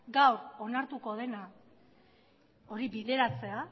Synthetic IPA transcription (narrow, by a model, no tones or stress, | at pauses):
ɡawɾo̞naɾt̪uko̞ð̞e̞na | o̞ɾiβiðe̞ɾat͡se̞a